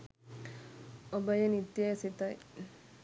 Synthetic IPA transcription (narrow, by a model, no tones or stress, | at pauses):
obɐjɐnit̪jajsit̪ɐj